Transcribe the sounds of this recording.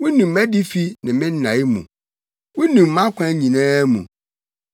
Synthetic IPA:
wʊ˦nũ˨m˦mæ˦di˦fi˦nɪ̃˨mɪ̃˦n˦nã˨˦i˦mṵ̃˨ | wʊ˦nĩ˨mː˨ã˦kʰʷã˦ɲĩ˨nãː˦mṵ̃˨

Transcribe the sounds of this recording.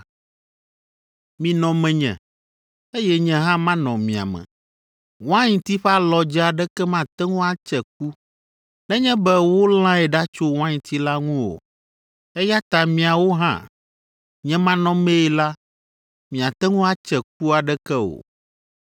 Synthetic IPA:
mĩ˨nɔ̃˨mɛ̃˨ɲɛ̰̃˨ | e˦jɛ˦ɲɛ̃˦ɦã˦mã˦nɔ̃˨mĩ˨a̰˨mɛ̰̃˨ | w̃ã˦ɲĩ˨t̪i˦ɸɛ˦a˦lɔ˨d͡ʒɛ˦a˨ɖɛ˦kɛ˦mã˦˨t̪ɛ˦ŋũ˦a˦t͡ʃɛ˨k̚u˦ | nɛ̃˦ɲɛ̃˦bɛ˦wo˦l̃ã˦ɛ˨ɖa˦t͡ʃo˦w̃ã˦ɲĩ˨t̪ʰi˦la˦ŋũ˦wo̰˨ | ɛ˦ja˦t̪a˨mĩ˨a˨wo˦ɦã̰˦ | ɲɛ̃˦mã˦nɔ̃˦mẽ˦i˦la˦ | mĩ˨a˨t̪ɛ˦ŋũ˦a˦t͡ʃɛ˨k̚u˦a˨ɖɛ˦kɛ˦o̰˨

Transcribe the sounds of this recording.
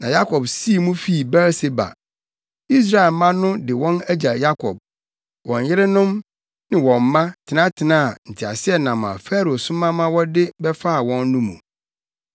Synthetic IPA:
nã˨ja˦kʰɔ˨bsi˦˨mũ˦fi˦˨bɛ˦ɾse˦ba̰˨ | i˦s̬ɾa˦˨e˨lmã˦nʊ̃˦dɪ˨wɔ̃˦næ˦d͡ʑa˨ja˦kʰɔ̰˨b̚ | wɔ̃˨ɲ˨jɪ˦ɾɪ˦nʊ̃˦m | nɪ̃˨wɔ̃˨m̩ː˨˦ã˦tʰɪ˨nã˦tʰɪ˨nã˦˨n̩˨tʰɪ˨a̰˨sɪ˦ɛ˦nã˨m˨ã̰˨fɛ˦ɾo˨sʊ̃˦mã˦mã˦wɔ˦dɪ˦bɛ˦fa˦a˨wɔ̃˦nːũ˦mṵ̃˨

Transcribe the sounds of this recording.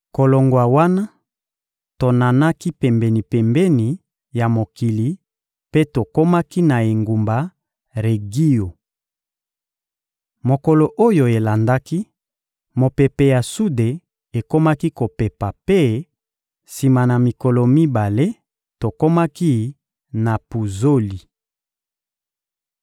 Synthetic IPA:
ko˨lo˨ŋɡwa˨wa˦na˦ | to˨na˨na˦ki˦pɛ˨mbɛ˨ni˨pɛ˨mbɛ˦ni˨ | ja˨mo˨ki˨li˨ | pe˦to˨ko˦ma˦ki˦na˨e˨ŋɡu˨mba˨ | ʁe˨ɡi˦jo˨ | mo˨ko˨lo˨ʔo˦jo˨e˨la˨nda˦ki˦ | mo˨pe˨pe˨ja˨su˦de˨ | e˨ko˦ma˦ki˦ko˨pe˨pa˨pe˦ | si˨ma˨na˨mi˨ko˨lɔ˨mi˦ba˨le˦ | to˨ko˦ma˦ki˦ | na˨pu˨zo˦li˨

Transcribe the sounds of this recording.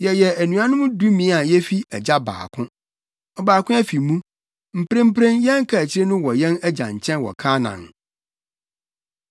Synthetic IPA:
jɛ˨jɛ˨æ˨nũ˨a˦nʊ̃˦mʊ̃˦du˦mĩ˨˦a˨jɛ˦fi˦ɛ˨d͡ʑa˦ba̰ː˨kʰʊ̃˦ | ɔ˨baː˨kʊ̃˦æ˦fi˨mũ˦ | m̩˨pʰɾẽ˦m̩˦pɾẽ˦njɛ̃˦ŋ˦kʰa˨æ˨t͡ɕʰɪ˦ɾe˦nʊ̃˦wɔ˨jɛ̃˦næ˦d͡ʑã̰˨ɲ̩˨t͡ɕʰɛ̃˦nwɔ̰˨kʰaː˦nã̰˨n

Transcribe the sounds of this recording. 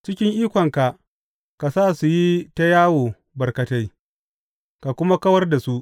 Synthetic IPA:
t͡ʃɪ˦kʲɪ˦ŋʔiː˦kʷɔ˨ŋka˨ʔ | ka˨saː˦˨su˨ji˦ta˦jaː˦woː˨ | bɐ˨rkɐ˨ta˦j | ka˨kʷʊ˦ma˦kɐ˦wɐ˦rda˨su˦ʔ

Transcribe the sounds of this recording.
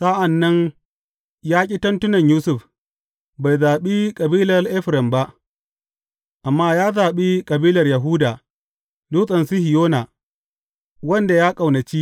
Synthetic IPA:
sa˦ʔa˨nːɐ˦n | jaː˦kʲʼɪ˦tɐ˦ntʊ˦nɐ˨ɲjuː˦sʊ˦˨ɸ | ba˨jzaː˨ɓi˦kʼɐ˨biː˦lɐ˨rʔɛ˦ɸɾɛ˨mba˦ʔ | ʔa˨mːaː˦jaː˦zaː˨ɓi˦kʼɐ˨biː˦lɐ˨rjɐ˨ɦu˦daː˨ | duː˦sʼɐ˨nsu˦hɪ˨joː˦na˨ | wɐ˦nda˨jaː˦kʼa˨wnɐ˨t͡ʃi˦

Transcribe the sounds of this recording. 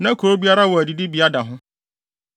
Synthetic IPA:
nã˦kʰo˨ɾo˦bi˦a˦ɾa˦wɔ˨æ˨di˨dɪ˦bi˨˦a˦da˨ɦʊ̃˦

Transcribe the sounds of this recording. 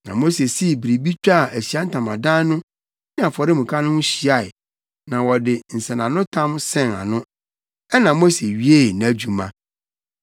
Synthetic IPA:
nã̰˨mo˦se˨si˦˨bɾi˨bi˦t͡ɕᶣa˦˨ʔæ˨ɕi˨a˦n̩˦tʰã˨mã˨dã˦nʊ̃˦ | ĩ˦a˨fɔ˨ɾɪ˦mũ˨kʰa˦nʊ̃˦n̩˦ɕi˨a˨ɪ˨ | nã˨wɔ˨dɪ˨n̩˨sɛ̃˨nã˨nʊ̃˦tʰã˦msɛ̃˦na̰˨nʊ̃˦ | ɛ˦nã˨mo˦se˨ɥi˦e˦˨n˨æ˨d͡ʑu˨mã̰˦

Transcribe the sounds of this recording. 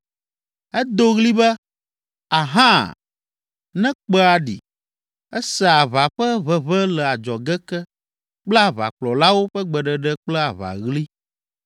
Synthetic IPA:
ɛ˦d̪o˦ɣli˦bɛ˦ | a˨ɦã˦ | nɛ̃˦k͡pɛ˦a˨ɖḭ˨ | ɛ˦sɛ˨a˨βa˨ɸɛ˦βɛ˨βɛ˦lɛ˨a˨d͡ʒɔ˨ɡɛ˦kɛ˦ | k͡pla˦βa̰˨k͡plɔ˨la˦wo˦ɸɛ˦ɡ͡bɛ˨ɖɛ˨ɖɛ˦k͡plɛ˦a˨βa̰˨ɣli˦

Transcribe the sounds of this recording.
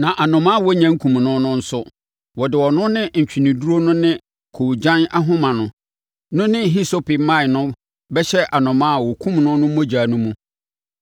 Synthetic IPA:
nã˨ʔa˨nʊ̃˨mã˦˨wɔ˦ɲã˨ŋ̩˦kʰũ˨m˨nʊ̃˦nʊ̃˦n̩˦sʊ˦ | wɔ˨dɪ˨wɔ˨nʊ̃˦nɪ̃˦ɲ̩˨t͡ɕᶣi˨nĩ˨du˦ɾo˦nʊ̃˦nɪ̃˦ | kʰo˨d͡ʑã˦na˦ɦʊ̃˦mã˨nʊ̃˨ | nʊ̃˦nɪ̃˦ɦi˦so˦pɪ˨mã˦ɪ˨nʊ̃˦ | bɛ˦ɕɛ˦ʔa˨nʊ̃˨mã˦a˨wɔ˨kʰũ˦mnʊ̃˦nʊ̃˦mo˦d͡ʑaː˨nũ˦mũ˦

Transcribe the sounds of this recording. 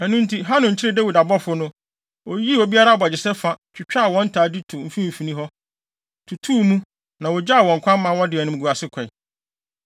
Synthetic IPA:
æ˨nũ˦n˦tʰi˦ɦa˦nʊ̃˨ɲ̩˨t͡ɕʰɪ˦ɾɪ˦˨dæ˦wi˨da˨bɔ˦fʊ˦nʊ̃˦ | o˨ji˦wo˨bi˦a˦ɾa˦˨bɔ˨d͡ʑɪ˨sɛ˦fa˦t͡ɕᶣɪ˨t͡ɕᶣa˦a˨wɔ̃˦n̩˦tʰaː˨di˦tʰʊ˨m̩˦fĩ˦m̩˨fi˨nĩ˦ɦɔ˦ | tʰu˨tʰuː˦˨mũ˦ | nã˨wɔ˨d͡ʑa˦a˨wɔ̃˨ŋ̩˨kʷʰã˦m̩˦mã˨˦wɔ̃˦dɪ˨ɛ˨nʊ̃˦ɡu˨a˨sɪ˦kʷʰɛ˨

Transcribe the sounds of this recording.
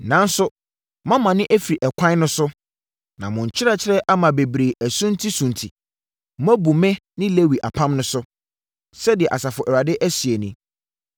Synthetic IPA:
nã˦n˦sʊ˦ | mã˦mã˨nɪ̃˦ʔæ˦fi˨ɾi˨ʔɛ˨kʷʰã˦nʊ̃˦sʊ˦ | nã˨mʊ̃˨ɲ̩˨t͡ɕʰɪ˦ɾa˦t͡ɕʰɪ˦ɾɛ˦ʔa˦mã˨be˨bɾe˨æ˨sũ˦n˦tʰi˦sũ˨ntʰi˨˦ | æ˦bu˨mɪ̃˦nɪ̃˦le˦wi˨ʔa̰˨pʰã˦mnʊ̃˦sʊ˦ | sɛ˦dɪ˨ɛ˨ʔa˨sa˨fʊ˨ʔɛ˨wa˨dɪ˦ʔæ˦sɥe˨nĩ˦

